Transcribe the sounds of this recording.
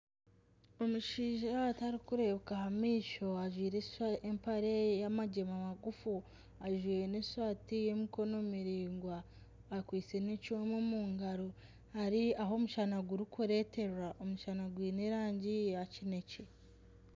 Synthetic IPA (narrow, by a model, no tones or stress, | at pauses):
o̞muʃiːʒataɾikuɾe̞βkahamiːʃo̞aʒwiːɾeaempaɾejamaɟemamaɡufu | aʒwiːeneaːtije̞miko̞no̞miɾiːŋɡwaː | kwiːt͡se̞necuwemomuːŋɡaɾo | haɾiaɦo̞muʃanaɡuɾukʰuɾe̞te̞ɾwaʔomuʃanaɡwiːneɾaːɲɟiacine̞ce̞